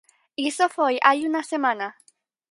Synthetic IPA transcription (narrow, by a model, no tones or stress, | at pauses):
isofojʔajunasemãna